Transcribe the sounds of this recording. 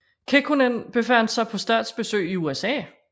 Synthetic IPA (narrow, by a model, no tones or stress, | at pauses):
kʰekʰunenb̥e̝fæn̰d̥sɑ̈ɪpʰɒ̽sd̥ɛ̈ːd̥sb̥e̝sø̰ɪiuesɛ̰ː